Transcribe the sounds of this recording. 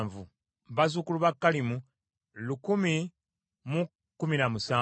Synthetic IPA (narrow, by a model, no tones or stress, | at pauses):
ɱvu | βazukuluβakːalimu | lukumi | mu | kuminamusaː